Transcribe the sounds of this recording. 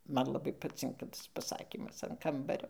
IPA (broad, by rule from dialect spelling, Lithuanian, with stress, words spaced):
ˈmɐn lˠɐˈbɐɪ pɐˈt͡sʲɪŋkɐ ˈtɐs pɐˈsɑːkʲiːmɐs ɐn ˈkɐmbɐrʲoː